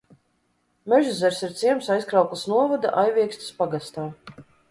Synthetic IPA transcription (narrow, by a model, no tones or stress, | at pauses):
mɛʒizɛɾsiɾt̪siɛmsajskɾawklˠasnuɔvɔd̪a̰ʔajvʲiɛksʲt̪i̥spaɡast̪aː